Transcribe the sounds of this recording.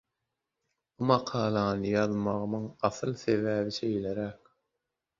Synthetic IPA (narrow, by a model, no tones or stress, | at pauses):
b̥umɑqʰɑːlˠɑnɯjɑðmɑʁɯmɯŋɑθɯlˠθevæːβiʃejleɾæk